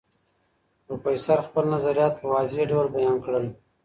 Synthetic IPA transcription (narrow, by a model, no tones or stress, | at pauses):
ɾupəisaɾxpəlnazaɾijɑt̪̚pəwɑzeɖawalbajɑːnkɽəl